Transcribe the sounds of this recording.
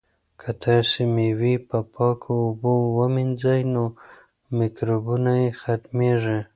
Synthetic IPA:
kʰat̪ʰɑsemewipəpʰɑkʰoːbowəmɪnzajno | mɪkɾobunajexat̪meʐe

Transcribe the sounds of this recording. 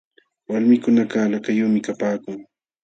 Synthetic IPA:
walmɪkʊnakalakajʊːmɪkapaːkʊŋ

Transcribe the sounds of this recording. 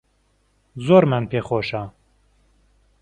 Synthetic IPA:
zoːɾmɨnpʰeːxoːʃa

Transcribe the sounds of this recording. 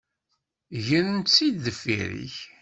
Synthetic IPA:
ʝənənt̪t͡sːid̪ðəfḭɾḭç

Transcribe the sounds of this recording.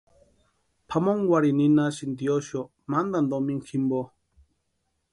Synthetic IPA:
pʰamɔ̃ŋɡwaɾinĩnasind̪iɔʃɔ | mãnd̪and̪ɔmĩŋ̩kʰimbɔ

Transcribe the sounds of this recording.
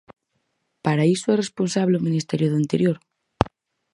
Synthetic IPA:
paɾaisoeresponsaβ̞leomĩnist̪eɾjoðuint̪eɾjoɾ

